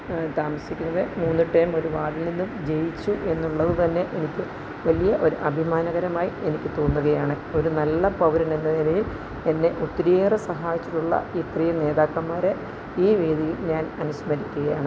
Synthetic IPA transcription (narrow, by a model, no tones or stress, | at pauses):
t̪aːmɐsikʲːunːɐðemuːnːɨʈːɐjmo̞ɾuʋaːɽilninːumd͡ʑe̞jit͡ɕːuʔe̞nːuɭːɐðɨt̪ɐnːe̞ʔenikʲːɨ | ʋɐlijɐʔo̞ɾṵʔɐbʱimaːnɐɣɐɾɐmaːjie̞nikʲːɨt̪o̞ːnːuɣɐjaːɳɨ | o̞ɾunɐlːɐpɐwɾɐnenːɐnineŋjil | e̞nːe̞ʔut̪ːɐɾieːrɐsɐɦaːjit͡ɕːiʈːuɭːɐ̰it̪rijɐne̞ːðaːkːɐmaːɾe | iːʋeːd̪ʱijilɲaːnɐnuɕmɐɾikʲːuɣɐjaːɳɨ